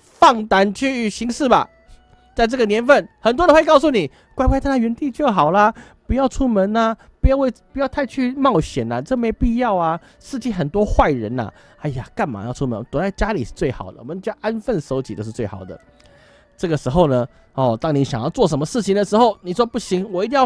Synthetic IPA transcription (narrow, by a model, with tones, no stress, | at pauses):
fɑ˥˩ŋt̪a˧˥nt͡ɕʰy˥˧˩ɕi˧˥ŋʂɻ̩˥˩ba̰˨˩ | t͡sa˥˧ɪʈ͡ʂɤ˥˩ɡə˨˩njɛ˧˥nfə˥˩nxə˨˩nt̪wɔ˥də˧˥we˥˧ɪkɑ˥˧ʊsu˥˩ni˨˩ | kwa˥˧ɪp̪ʰn˥˩ɥɛ˧˥nt̪i˥˧t͡ɕjo˥˩ʊxɑ˨˩ʊlɐ˦ | pu˧˥jɑ˥˧ʊʈ͡ʂʰu˥mə˧˥na˧ | pu˧˥jʊwe˥˧ɪpu˧˥jɑ˥˧ʊt̪ʰa˥˧ɪt͡ɕʰy˥˧mɑ˥˩ʊɕjɛ˨˩na˨ʈ͡ʂə˥˩me˧˥ɪpi˥˧jɑ˥˧ʊa˩ | ʂɻ̩˥˧t͡ɕi˥˩xə˨˩nt̪wɔ˥xwa˥˩ɪɻə˧˦nɐ̰˨ | a˧˩ja˨˩ka˥˩nma̰˨˩jɑ˥˩ʊʈ͡ʂʰu˥mə̰˧˦n˦t̪wɔ˧˦t͡sa˥˩ɪt͡ɕja˥li˨˩ʂɻ̩̥˥˧t͡swe˥˩ɪxɑ̰˨˩ʊd̪ə˦wɔ˨˩mə˦˥˩ʔa˦nfə˥˩nʂo˧˥ʊt͡ɕi˨t̪ə˧˦ʂ̩˥˧t͡swe˥˩ɪɑ̰˨˩ʊd̪ə̰˦ | ʈ͡ʂɤ˥˩ɡə˩ʂɻ̩˧˥xo˥˧ʊnə˩ | ɔ˥˨˩t̪ɑ˥ŋni˧˦˥ɕjɑ̰˨˩ŋjɑ˥˧ʊt͡swɔ˥˩ʂə˧˦nmə˧ʂɻ̩˥˩t͡ɕʰi˨˩ŋd̪ə˩ʂɻ̩˧˥xo˥˩ʊni˨˩ʂwɔ˥pu˥˩ɕi˧˥ŋwɔ˨˧i˧t̪i˧˥